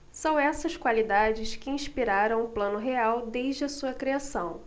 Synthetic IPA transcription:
sɐ̃w̃ɛsɐʃkwalid̪ad͡ʒɪʃkɪĩʃpiɾaɾɐ̃w̃ʊplɐ̃nʊɦeawd̪ejʒd͡ʒɪɐsuɐkɾiasɐ̃w̃

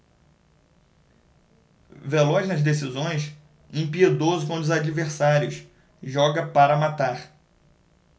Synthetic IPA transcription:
velɔznɐzd̪esizõj̃s | ẽpied̪ozʊkõʊzad͡ʒiveɾsaɾjʊs | ʒɔɡɐpaɾɐmat̪aɾ

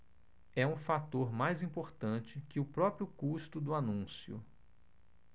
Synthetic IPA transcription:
ɛũfat̪oɾmajzĩpoɾt̪ɐ̃t͡ʃɪkɪʊpɾɔpɾjʊkust̪ʊd̪ʊanũsjʊ̰

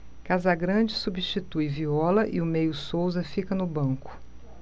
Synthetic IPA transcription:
kazɐɡɾɐ̃d͡ʒɪsubist͡ʃit̪ujviɔlɐʔɪ̰ʊmejʊsowzɐfikɐnʊbɐ̃ŋkʊ̥

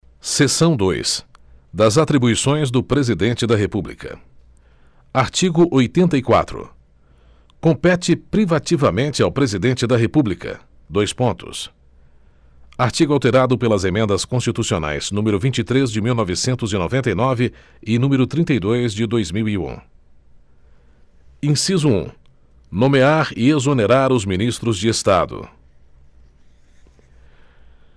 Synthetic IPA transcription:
sesɐ̃w̃d̪ojsd̪ɐzat̪ɾibuisõj̃zd̪ʊpɾezid̪ẽnt͡ʃɪd̪ɐɦepublḭkɐ̰ | aɾt͡ʃiɡʊʔojt̪ẽnt̪ɐikwa̰t̪ɾʊ̰ | kõpɛt͡ʃɪpɾivat͡ʃivɐmẽt͡ʃɪawpɾezid̪ẽnt͡ʃɪd̪ɐɦepublikɐ̰ | d̪ojspõnt̪ʊ̰s | aɾt͡ʃiɡʊawt̪eɾad̪ʊpelɐzemẽnd̪ɐskõst͡ʃit̪usiona̰jz̥nũmeɾʊvĩnt͡ʃit̪ɾezd͡ʒɪmiwnɔvɪsẽnt̪ʊzɪnovẽnt̪ɐjnɔvɪ | ɪnũmeɾʊt̪ɾĩnt̪ɐjd̪ojzd͡ʒɪd̪ojzmiwiṵ̃ | ĩsizʊṵ̃ | nõmeaɾɪezoneɾaɾʊzminist̪ɾʊzd͡ʒɪest̪ad̪ʊ̰

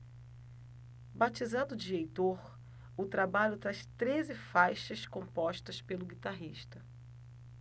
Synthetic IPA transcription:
bat͡ʃizãd̪ʊd͡ʒiɾejt̪oɾ | ʊt̪ɾabaʎʊt̪ɾaʃt̪ɾezɪfajʃɐskõpɔʃt̪ɐspelʊɡit̪aɦiʃt̪ɐ

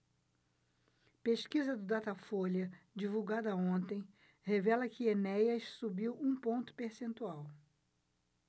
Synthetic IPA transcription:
peʃkizɐd̪ʊd̪at̪ɐfoljɐd͡ʒivuwɡad̪ɐõnt̪ẽj̃ | hevɛlɐkɪenɛjɐʃsubiwũpõnt̪ʊ̥peɾsẽnt̪uaw

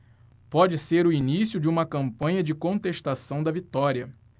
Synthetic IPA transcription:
pɔd͡ʒɪseɾʊinisjʊd͡ʒɪũmɐkɐ̃mpɐ̃ɲɐd͡ʒɪkõnt̪eʃt̪asɐ̃w̃d̪ɐvit̪ɔɾiɐ

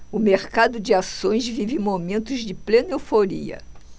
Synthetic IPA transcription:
ʊmeɾkad̪ʊd͡ʒɪasõj̃zvivɪmomẽnt̪ʊzd͡ʒɪplenewfoɾḭɐ̰

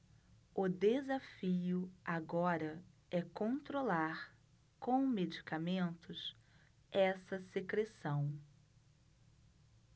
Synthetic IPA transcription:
ʊd̪ezafiʊaɡɔɾɐɛkõnt̪ɾolaɾ | kõw̃med͡ʒikamẽnt̪ʊs | ɛsɐsekɾesɐ̃w̃

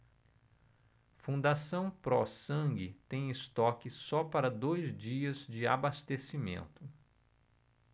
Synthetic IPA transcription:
fũnd̪asɐ̃w̃pɾɔsɐ̃ŋɡɪt̪ẽj̃ɪst̪ɔkɪsɔpaɾɐd̪ojzd͡ʒiɐzd͡ʒɪa̰bast̪esimḛ̃nt̪ʊ

